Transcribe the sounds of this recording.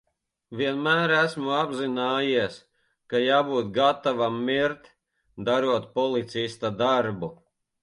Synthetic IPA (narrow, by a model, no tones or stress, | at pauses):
viɛnmæːɾæsmuabzinaːjiɛs | kajaːbuːt̪ɡat̪avamːiɾt̪ | d̪aɾuɔt̪pɔlˠit̪sist̪ad̪aɾbu